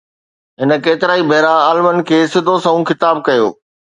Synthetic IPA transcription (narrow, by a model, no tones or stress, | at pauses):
ɦɪnə̆keːt̪ɪɾaːibʱɐːɾaaːlɪmənɪ̆kʰeːsɪd̪ʱosɐɦũxɪt̪aːb̚kɐjo̰ː